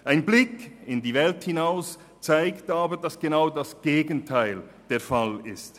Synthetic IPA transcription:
ʔaɪnblɪkɪndiːvɛlthɪnaʊs | t͡saɪktaːbədasɡ̥enaʊdasɡ̥eːɡən̩tʰaɪl | d̥eːɐfalɪst

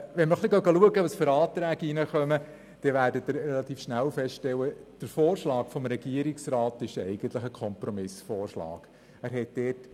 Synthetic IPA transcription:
ʋɛnməχliɡɑʊɡɑluəɡəʋɑsføɾɑːt̪ɾæːɡinəχœmə | d̥ɛʋæːɾdətdəɾɾɛlɑt̪iːfʃnælfɛstʃtɛwəd̥əɾfoːɾʃlɑːkfɔmɾɛɡiəɾiksrɑːtɪʃɛɪɡ̥əntləχəkʰɔmprɔmɪsfoːrʃlɑ̰ːɡ̥ | æːɾɦɛt̚d̥ɛːt

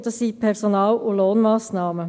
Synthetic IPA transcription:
d̥̪ɑsːipʰɛʁsonɑːlʊloːnmɑːsnɑːmə

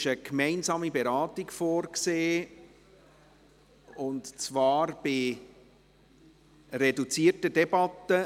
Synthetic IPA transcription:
ʃəkmɛɪnzɑːmibeɾɑːtɪkfoːɾkseː | ʊntt͡svɑːɾb̥ɪ | ɾɛdut͡siːrtədɛbɑtːə

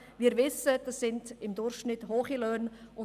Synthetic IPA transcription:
ʋiːɾvɪsəd̥asːɪndɪmdʊɾʃʃnɪthoːχilœnʊ

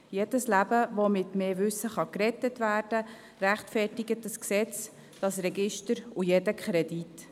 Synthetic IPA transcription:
jed̥əslæbəʋomɪtmeːʋʏsːəχɑkrɛtətvæːrd̥ə | ræχtfɛtɪɡət̚dɑsksɛt͡s | d̥ɑsrɛɡɪʃtəɾujɛdəkχɾɛd̥it

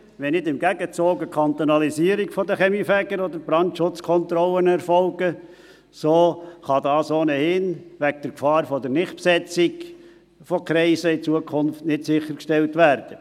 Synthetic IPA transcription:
ʋɛnɪdɪmɡ̥æɡət͡soːɡəkʰɑnt̪onɑlisiːəɾiɡfɔd̪əχɛmifæɡəɾɔd̪əɾbɾɑntʃʊt͡skʰɔnt̪ɾɔlənɛɾfɔlɡə | soːχɑd̪ɑːsoːnəhɪnʋæɡ̚d̥əɾkfɑːɾfɔd̪ɛɾnɪχtpsɛt͡siɡ | fɔkɾɛɪsəɪt͡suəkʰʊnftnɪtsɪχːəɾkʃtɛltʋæɾd̥ə

